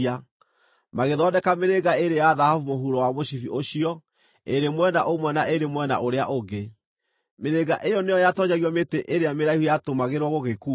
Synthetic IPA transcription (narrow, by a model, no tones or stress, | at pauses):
a | maɣeðɔːdɛkameɾeɣaeɾejaðahavumoɦuɾɔwamoɕifiʔoɕiɔ | eɾemwɛnaʔomwɛnaʔeɾemwɛna̰ʔoɾeaʔoɡe | meɾeɣaʔejɔnejɔjatɔɲaɣiɔmeteʔeɾeameɾaihujatomaɣeɾwɔɣoɣekuː